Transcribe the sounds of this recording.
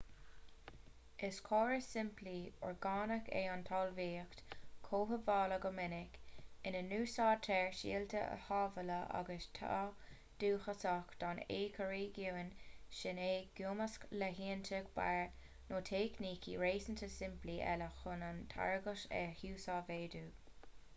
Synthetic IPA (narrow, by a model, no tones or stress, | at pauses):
ɪskʰoːɹəsɪmpliɔ̰ɹɡɑːnəkʰḛant̪ʰɑːlviːkt̪kʰoːɦəvɑːləɡəmɪnɪkɪnənuːsɑːt̪ʰɛɹʃḭːlt̪ʰə̰ʔə̰hɑːvələʔa̰ɡəstʰa̰ | d̥uːxəsakd̪̥ɑːneːkʰəɹiːɡuwənʃɪneːɡ̥juːməskləɦiːnt̪ʰəɡba̰ɹ | noːt̪ʰekniːkʰiɹeːsənt̪ʰəsɪmpliʔɛ̰ləxʊnantʰa̰ɹɡəʃɛ̰huːsɑːveːd̪uː